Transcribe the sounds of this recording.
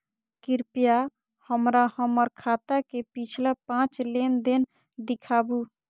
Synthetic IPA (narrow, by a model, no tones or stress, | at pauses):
kiɾpija | həmɾahəməɾkʰat̪akepit͡ʃʰlapãt͡ʃlend̪en | d̪ikʰabu